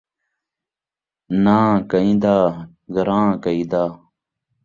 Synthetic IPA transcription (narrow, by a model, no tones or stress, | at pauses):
nãːkɐĩd̪aː | ɡɐɾãːkɐĩd̪aː